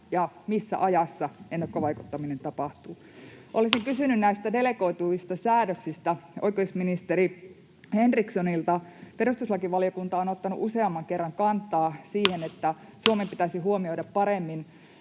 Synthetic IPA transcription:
jɑmisːæ̰ʔɑjɑsːɑenːɑkːoʋɑiku̥t̪ːɑminent̪ɑpɑht̪uː | ʔolisiŋkysynynnæist̪ædeleko̞it̪uist̪ɑsæːɾøksist̪æʔo̰ikoisminist̪eɾi | henriksonilt̪ɑperust̪uslɑkiʋɑliokunt̪ɑonot̪ːɑnuʔuseɑmːɑŋkerːɑŋkɑnt̪ːˑɑːsiːhenet̪ːæsuomempit̪æsihuomio̞iɾɑppɑɾemːin

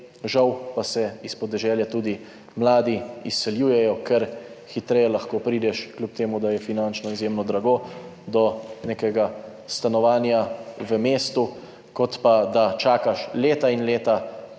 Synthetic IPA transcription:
ʒawpasɛispɔd̪ɛʒɛːljat̪uːd̪i | mlaːd̪iisːɛljuːjɛjɔkɛɾxit̪ɾɛjɛlaxkoːpɾiːd̪ɛʃklʲjup̚t̪eːmud̪ajɛfinant͡ʃnɔizjeːmnɔd̪ɾaɡod̪ɔnekɛɡa | st̪anɔʋaːnjaʋəmeːst̪u | kɔt̪pad̪at͡ʃaːkaʃleːt̪ainleːt̪a

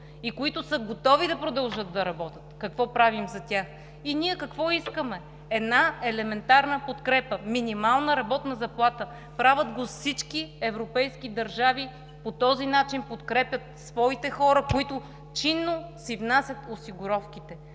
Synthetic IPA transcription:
ikoit̪ʊsəɡot̪ɔvid̪ɐpɾod̪ɐlˠʒɤd̪̚d̪ɐɾɐbɔt̪ət̪kɐkvɔpɾavimzɐt̪ʲax | inʲiɛkɐkvɔiskəmɛ | ɛd̪naɛlɛmɛnt̪aɾnəpot̪kɾɛpəminʲimalˠnəɾɐbɔt̪nɐzɐplˠat̪ə | pɾavəd̪ɡosit͡ʃkiɛvɾopɛjsk̟id̪ɐɾʒavi | pot̪ɔzinat͡ʃinpot̪kɾɛpjət̪svɔit̪ɛxɔɾəkoit̪ʊ | t͡ʃinːosivnasʲjət̪osiɡʊɾɔfk̟it̪ɛ

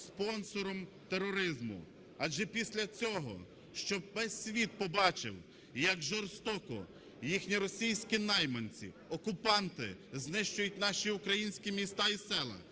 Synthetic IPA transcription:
spɔnsɔɾɔm | t̪erɔɾɪzmʊ̰ | ɑd͡ʒʒɛpʲisʲlʲɐt͡sʲɔɦɔ̰ | ʃt͡ʃɔʋɛsʲːʋʲit̪̚pɔbɑt͡ʃɪ̰w | jɐɡʒɔrst̪ɔkɔ̰ | jixnʲiɾɔsʲijsʲkʲinɑjmɔnʲt͡sʲḭ | ɔkʊpɑnt̪ɪ̰znɪʃt͡ʃʊjʊt̚ʲnɑʃiʊkɾɐjinʲsʲkʲimʲist̪ɑisɛlˠɐ̰

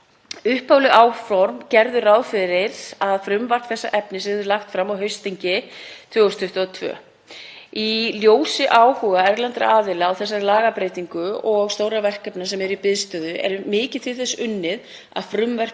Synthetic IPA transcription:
ʏhpawlʏʔaːwfɔɾmcɛɾðʏrawfɪɾɪɾ̥aðfɾʏmvar̥t̪θɛsːa̰ʔɛpnɪsɪðʏɾlaxt̪fɾamawɦœɥst̪iɲcɪt̪ʰvœːɣʏst̪ʰʏht̪aðt̪ʰvœ̰ː | iljoːwsɪʔaːwhuːɣaɛɾlant̪ɾa̰aːðɪlaːwθɛsːaɾlaːɣapɾeːjt̪iŋkʏɔɣst̪oːwɾavɛr̥kɛpnasɛmɛɾipɪðst̪œːðʏʔɛ̰ɾmɪːcɪt̪ʰɪlθɛsːʏnːɪð | a̰ðfɾʏmvɛr̥

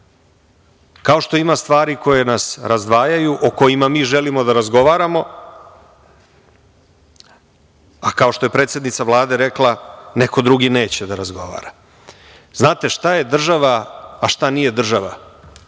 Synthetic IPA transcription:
kao̞ʃt̪o̞imast̪ʋaːɾiko̞je̞nasɾazd̪ʋaːjajuʔoko̞jimamiːʒe̞limo̞d̪aɾazɡo̞ʋaːɾamo̞ | akao̞ʃt̪o̞je̞pɾe̞ːt̪sje̞d̪nit̪savlˠaːd̪e̞ɾe̞klˠane̞ko̞d̪ɾuɡine̞ːt͡ɕed̪aɾazɡo̞̰ʋa̰ːɾa | znaːt̪e̞ʃt̪aje̞d̪r̩ʒaʋaːʃt̪anije̞d̪r̩ʒaʋa̰

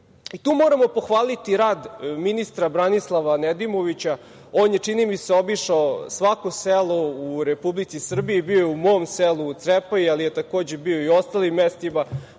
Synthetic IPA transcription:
it̪uːmo̞ːɾamo̞po̞xʋaːlit̪iɾaːd̪minist̪ɾabɾanislˠaʋaned̪imo̞ʋit͡ɕa | oːnjet͡ʂinimiseo̞biʂaosʋakoselˠouɾepublit̪sisr̩biibiojeumo̞mselˠut̪sɾepaialijet̪ako̞ːd͡ʑebioio̞st̪alimːest̪ima

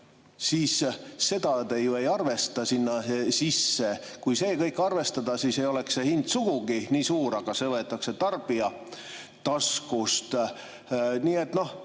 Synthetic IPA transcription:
siːsse̞d̪ɑd̪ejue̞jɑrve̞st̪ɑsinːɑsisːe̞kujse̞ːjkɤ̞jkːˑɑrve̞st̪ɑd̪ɑsiːsejo̞le̞ksehind̪suɡ̥uɡiniːsuːɾɑɡ̥ɑse̞vɤet̪ːˑɑkse̞t̪ɑrb̥iɑ | t̪ɑskust̪ | niːe̞t̪no̞h

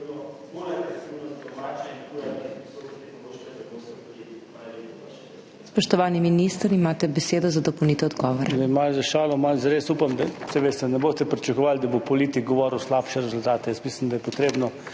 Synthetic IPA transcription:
ud̪ɔmat͡ʃɛ | spɔʃt̪ɔʋaːniminist̪əɾimaːt̪ɛbɛseːd̪ɔzad̪ɔpɔwnit̪ɛɔd̪ɡɔʋɔɾɛd̪amazaʃaːlɔmalzɐɾeːsupamd̪asɛʋeːst̪ɛnɛboːst̪ɛpɾit͡ʃɐkɔʋald̪ɐbopɔliːt̪ik̚ɡɔʋɔɾuwslaːpʃɛɾɛzʊlt̪aːt̪ɛjəsmislimd̪ɐajɛpɔt̪ɾeːbnɔ

